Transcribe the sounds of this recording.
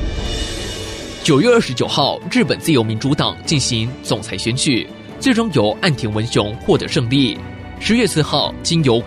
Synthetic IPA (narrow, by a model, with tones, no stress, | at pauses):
t͡ɕjo˨˩ʊɥɛ˥˧ə˞˥˩ʂɻ̩˧˥t͡ɕjo˨˩xɑ˥˧ʊɻɻ̩˥˩pə˨˩nt͡sɹ̩˥˩jo˧˥mi˧˥nʈ͡ʂu˧˥t̪ɑ̰˨˩ŋt͡ɕi˥˩nɕi˧˥ŋt͡sʊ˨˩ŋt͡sʰa˧˥ɪɕɥɛ˧˥nt͡ɕʰy̰˨˩ | t͡swe˥˩ɪʈ͡ʂʊ˥ŋjo˨˩ʊʔa˥˩nt̪ʰjɛ˧˥ŋwə˧˥nɕʊ˧˥ŋxwɔ˥˩t̪ɤ̰˨˩˦ʂɤ˥˧ŋli˥˩ | ʂɻ̩˧˥ɥɛ˥˧sɹ̩˥˧xɑ˥˩ʊt͡ɕi˥njo˧˥ʊ